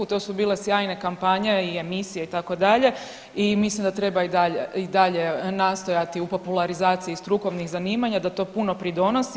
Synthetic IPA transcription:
ut̪o̞ːsubiːle̞sjaːjne̞kampaɲe̞iemisijeit̪ako̞d̪aʎe̞ | imislimd̪at̪ɾe̞baid̪aʎeid̪aʎe̞naːst̪o̞jat̪iupo̞pulˠaɾizaːt̪sijist̪ɾuko̞ʋnixzaniːmaɲad̪at̪o̞ːpuno̞pɾid̪o̞nosi

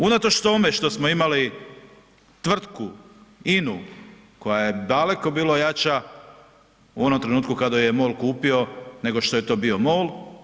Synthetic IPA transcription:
unat̪o̞t͡ʃt̪o̞me̞ʃt̪o̞smoimali | t̪ʋr̩t̪kuinu | ko̞jajed̪ale̞ko̞biːlojat͡ʃa | uo̞nomt̪ɾe̞nuːt̪kukad̪ajjemo̞ːlkuːpio̞ne̞ɡo̞ʃt̪o̞je̞t̪o̞ːbio̞mo̞ːl

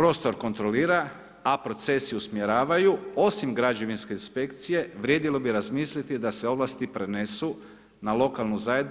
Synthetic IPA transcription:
pɾo̞st̪o̞ɾko̞nt̪ɾoliːɾa | apɾo̞t̪se̞siusmje̞ɾaːʋajuo̞simɡɾad͡ʒe̞ʋinske̞inspe̞kt̪sije̞ʋɾje̞ːd̪ilo̞biɾazmiːslit̪id̪aseo̞ʋlˠast̪ipɾenesu | nalo̞kalˠnuzajed̪n

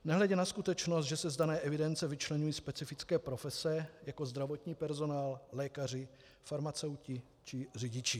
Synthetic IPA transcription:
nɛɦlɛɟɛnaskut̪ɛt͡ʃnost̪ʒɛsɛzdanɛːʔɛvɪdɛnt͡sɛvɪt͡ʃlɛɲujiːspɛt͡sɪfɪt͡skɛːpɾo̞fɛsɛjako̞zd̪ɾavo̞t̪ɲiːpɛɾzo̞naːllɛːkar̝ɪ | faɾmat͡sɛwcɪ | t͡ʃɪr̝ɪɟɪt͡ʃɪ

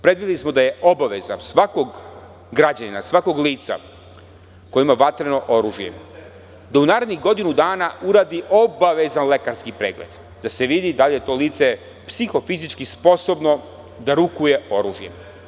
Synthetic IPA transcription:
pɾed̪ʋid̪ilˠismo̞d̪aje̞ʔo̞baʋe̞zansʋako̞ɡ | ɡɾad͡ʑanina̰sʋako̞ɡliːt̪sa̰ | kojimaʋat̪ɾeno̞ʔoɾuːʒjḛ | d̪aunaːɾed̪niɣɡo̞d̪inud̪aːnauɾaːd̪iʔo̞baʋe̞zanle̞kaɾskipɾeːɡlḛd̪̥ | d̪ase̞ʋid̪id̪alije̞t̪o̞ːliːt̪se̞ | psixo̞fizit͡ʃkispo̞so̞bno̞ | d̪aɾukuje̞o̞ɾṵːʒjḛ

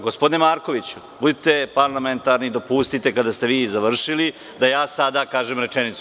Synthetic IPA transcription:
ɡospod̪inemaːɾko̞ʋit͡ɕu | bud̪it̪e̞paɾlˠament̪aɾnid̪opust̪it̪e̞kad̪ast̪e̞ʋiːzaʋr̩ʃili | d̪ajaːsad̪akaːʒemɾe̞t͡ʃenit̪su

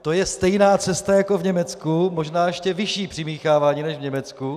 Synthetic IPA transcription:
t̪o̞jɛst̪ɛjnaːt͡sɛst̪ajako̞vɲɛmɛt͡skumoʒnaːjɛʃcɛvɪʃiːpr̝̥ɪmiːxaːvaːɲiːnɛʒvɲɛmɛt͡sku

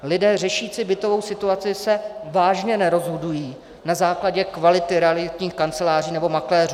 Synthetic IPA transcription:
lɪdɛːr̝ɛʃiːt͡sɪbɪt̪o̞vo̞wsɪt̪uat͡sɪsɛvaːʒɲɛnɛɾo̞zɦodujiː | nazaːklaɟɛkvalɪt̪ɪɾɛalɪc̪ɲiːxkant͡sɛlaːriːnɛbo̞maklɛːruː

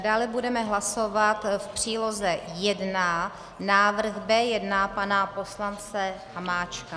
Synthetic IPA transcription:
daːlɛbudɛmɛɦlasovat̪fpr̥iːlozɛjɛdna | naːvr̩ɣbɛːjɛdnapanapo̞slant͡sɛhamaːt͡ʃka

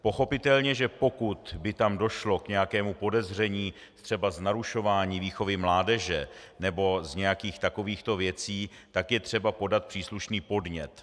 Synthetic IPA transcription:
po̞xo̞pɪt̪ɛlɲɛʒɛpo̞kut̪bɪt̪amdo̞ʃlo̞kɲɛjakɛːmupo̞dɛzr̝ɛɲiː | t̪r̥ɛbaznaɾuʃo̞vaːɲiːviːxo̞vɪmlaːdɛʒɛ | nɛbo̞zɲɛjakiːxt̪ako̞viːxt̪o̞vjɛt͡siː | t̪akjɛt̪r̥ɛbapo̞dat̪̚pr̥iːsluʃniːpo̞dɲɛt̪

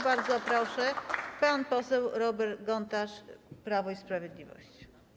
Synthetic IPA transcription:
baɾd̪zɔpɾɔʂɛpanpɔsɛwɾɔbɛɾt̪ɡɔnt̪aʂpɾavɔispɾavʲjɛd̪lʲivɔ̰ɕt͡ɕi̥

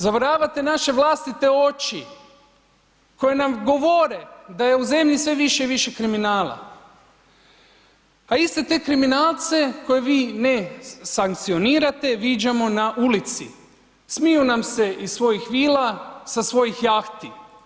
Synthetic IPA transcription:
zaʋɾaːʋat̪e̞naʃe̞ʋlˠaːst̪it̪e̞o̞t͡ʃi | ko̞jenamɡo̞ʋo̞ɾe̞d̪aje̞uze̞mʎisʋe̞ʋiʃeʋiʃe̞kɾiminaːla̰ | aist̪e̞t̪e̞ːkɾiminaːlˠt̪se̞ko̞je̞ʋiːnesaŋk̚t̪sio̞niːɾat̪e̞ʋid͡ʑamo̞naʔulit̪sḭ | smijunamse̞ʔisʋo̞jixʋiːlasasʋo̞jixjaːxt̪i

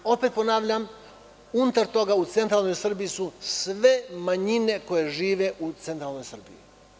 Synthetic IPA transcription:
o̞pet̪̚po̞naːʋʎam | unut̪aɾt̪o̞ɡaut̪se̞nt̪ɾalˠno̞jsr̩bijisusʋe̞maɲine̞ko̞je̞ʒiːʋe̞ʔut̪se̞nt̪ɾalˠno̞jsr̩bḭjḭ

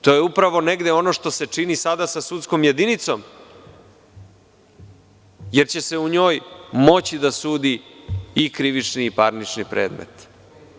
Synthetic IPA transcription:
t̪o̞jeupɾaʋo̞ne̞ɡd̪eo̞no̞ʂt̪o̞se̞t͡ʂinisad̪asasut̪sko̞mje̞d̪init̪so̞m | je̞ɾt͡ɕe̞seuɲo̞ːjmo̞t͡ɕid̪asuːd̪iikɾiʋit͡ʂniːpaɾnit͡ʂnipɾe̞̰ːd̪mḛt̪

